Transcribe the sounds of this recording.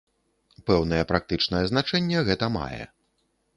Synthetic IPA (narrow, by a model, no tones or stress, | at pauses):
pɛwn̪ɐjɛpɾak̚t̪ɨt͡ʂnɐjɛzn̪at͡ʂɛnʲːɛɣɛt̪ɐma̰jɛ̰